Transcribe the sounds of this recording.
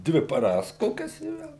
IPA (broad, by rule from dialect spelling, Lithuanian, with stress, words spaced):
ˈdʲʋʲɪ pɐˈrɐs ˈkoːkʲɛs ɪ ˈʋʲɛlˠ